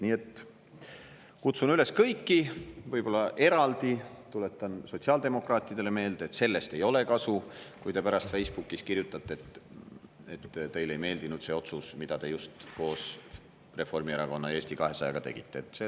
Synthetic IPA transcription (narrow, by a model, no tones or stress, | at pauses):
niːe̞t̪ | kut̪sunyle̞skɤjkːivɤjb̥o̞lːɑʔe̞ɾɑld̪̥i | t̪ule̞t̪ːˑɑnso̞t̪ʲsiɑːld̪e̞mo̞krɑːt̪ʲˑid̪̥e̞le̞me̞ːld̪̥eeːt̪se̞lːe̞st̪e̞jo̞le̞kɑsukujt̪e̞pæɾɑst̪fe̞jsb̥ukːˑiskirjut̪ːˑɑt̪ːˑeet̪ | et̪ːt̪e̞jle̞jme̞ːld̪inud̪̥se̞o̞t̪susmid̪̥ɑt̪e̞just̪ko̞ːs | re̞fo̞rmieɾɑko̞nːɑe̞ːsʲt̪ikɑɦe̞sɑjeɡ̥ɑt̪e̞ɡ̥it̪ːˑe̞ːt̪ːˑse